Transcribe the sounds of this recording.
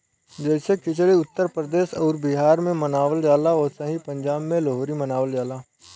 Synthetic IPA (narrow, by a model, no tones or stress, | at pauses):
d͡ʒɛːsekɪt͡ʃliʊt̪ːəɾpɾəd̪eːʃɔːɾbɪɦaːɾmẽmɐnaːʋəld͡ʒaːlaɔːɾsɐɦĩpɐ̃ɲd͡ʒaːbmẽloɦoːɾimɐnaːʋəld͡ʒaːlaː